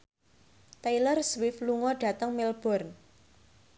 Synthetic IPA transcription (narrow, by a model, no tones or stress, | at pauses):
t̪ajlərswɪfluŋɔɖ̥ä̤t̪əŋmilb̥ɔ̤rn